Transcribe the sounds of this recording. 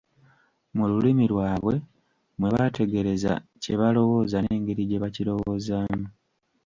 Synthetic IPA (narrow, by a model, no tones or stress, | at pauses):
mululimilwaːβwe̞ | mwe̞βate̞ɡe̞ɾe̞za̰ce̞βalo̞wo̞ːzane̞ːŋɡe̞ɾiɟe̞βacilo̞wo̞zaːmu